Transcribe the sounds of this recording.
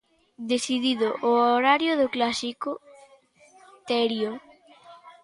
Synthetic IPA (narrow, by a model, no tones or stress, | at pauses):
d̪esiðiðoʔooɾaɾjoðʊklasikʊ | t̪ɛɾjo